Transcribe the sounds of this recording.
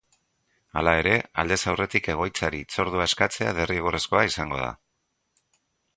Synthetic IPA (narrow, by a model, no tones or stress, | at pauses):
a̰lae̞ɾe̞ald̪e̞sawre̞t̪ike̞ɣ̞o̞jt͡saɾit͡so̞ɾðuae̞skat͡se̞aðe̞rieɣoresko̞aisaŋɡo̞̰ð̞a̰